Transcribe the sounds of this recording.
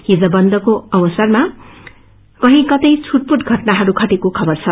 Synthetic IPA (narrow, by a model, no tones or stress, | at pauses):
ɦid͡zʌbʌnd̪ʌkoʌwʌsʌrma | kʌɦĩkʌt̪ʌjt͡sʰuʈ̚puʈɡʱʌʈnaɦʌɾukʰʌʈekokʰʌbʌrt͡sʰʌ